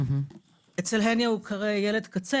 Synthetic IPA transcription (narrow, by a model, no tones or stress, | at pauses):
et͡selɦenjaukʰaʁejeled̪kat͡se